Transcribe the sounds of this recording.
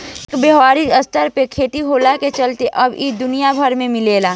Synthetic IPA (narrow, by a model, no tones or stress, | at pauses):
kbəɦʋaːɾiəst̪əɾpekʰeːʈiɦoːlaket͡ʃəlt̪eʔɐbid̪ʊnijabʱəɾmẽmɪleːlaː